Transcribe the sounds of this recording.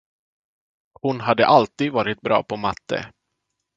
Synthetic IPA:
hʊnɦad̪ːəʔalt̪iːd̪vɑːɾɪt̪̚bɾɑ̰ːpʰɔmat̪ʰːə̰

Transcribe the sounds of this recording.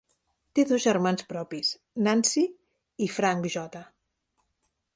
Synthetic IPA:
t̪eðozʒəɾmanspɾɔpis | nansi | ifɾaŋbiʒɔt̪a

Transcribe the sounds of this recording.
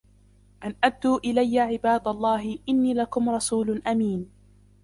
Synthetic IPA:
ʔanʔad̪ːuːʔɪlajːaʕɪbaːd̪alˤːɑːɦɪʔɪnːiːlakʊmɾˤɑsuːlʔamiːn

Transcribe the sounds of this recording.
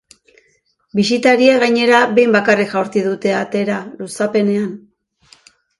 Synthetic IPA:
bisit̪aɾieɣajɲe̞ɾaβe̞jmbakarikʝawɾt͡siðut̪e̞at̪e̞ɾalusape̞ne̞an

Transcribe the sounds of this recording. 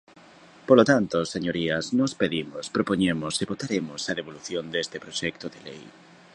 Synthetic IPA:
polot̪ant̪oseɲoɾiɐsnospeðimʊspɾopoɲemʊskeβot̪aɾemʊsɐðeβoluθjond̪est̪ɪpɾoʃɛk̚t̪oðelḛj

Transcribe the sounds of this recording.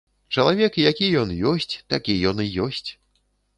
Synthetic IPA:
t͡ʂɐlˠavʲɛkijakʲijɔnjɔsʲt͡sʲt̪akʲijɔnɨjɔsʲt͡sʲ

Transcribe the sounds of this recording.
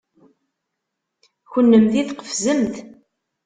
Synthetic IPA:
çənːəmθiθqə̥fzəmθ

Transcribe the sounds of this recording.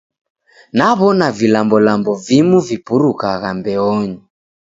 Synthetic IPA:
naβɔnavilambɔlambɔvimuvipuɾukaɣambɛɔɲi

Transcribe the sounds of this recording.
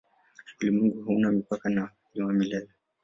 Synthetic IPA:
ilimwɛŋɡuɦunamipakana | ʄuamilɛlɛ

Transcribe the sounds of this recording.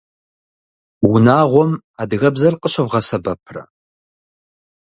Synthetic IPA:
wʊnaːʁʷɔm | aːdɨɣɐbzɐrqʼəɕɐvʁɐsɐbɐpʰrɐ̰

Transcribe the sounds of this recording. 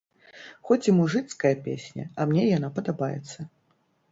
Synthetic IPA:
xɔt͡sʲimuʐɨt̪skɐjɐpʲḛsʲnʲɐ̰ɐmnʲɛjanapɐd̪abajɛ̰t̪sːɐ

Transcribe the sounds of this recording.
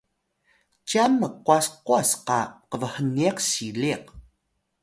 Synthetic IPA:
t͡ʃamːəquasquasqaqəvəhəniaqsiliq̚

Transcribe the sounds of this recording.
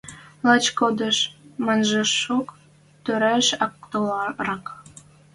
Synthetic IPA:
lɑt͡ɕkod̪əʃmɑnʒeʃuk | t̪øɾæʃɑk̚t̪olɑɾɑk

